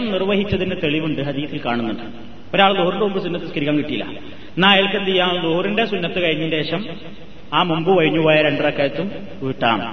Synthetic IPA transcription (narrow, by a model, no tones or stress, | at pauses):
mnirʋɐɦit͡ɕːɐðinːɨt̪e̞ɭiʋuɳɖɨɦɐðijɐt̪ːilkaːɳunːuɳɖɨ | o̞ɾaːɭd̪oːrinɖeumbɨs̬unːɐt̪ːɨskɐɾikʲːaːŋkiʈːijilːɐ̰ | naːjelkɐnt̪ijːaːmd̪oːrindesunːɐt̪ːɨkɐɻiɲːindeeːɕɐm | aːmumbɨʋɐɻiɲːupoːjɐɾe̞ɳɖrɐkːaːjɐt̪ːum | uʈːa̰ːm